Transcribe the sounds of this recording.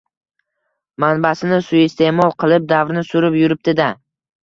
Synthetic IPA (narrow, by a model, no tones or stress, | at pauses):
manbasɪnɪsʊɪst̪ʰe̞mɒlˠqʰɨlˠɪp̚d̪avɾnɪsʊɾɪpjʊɾɪp̚d̪ɪd̪a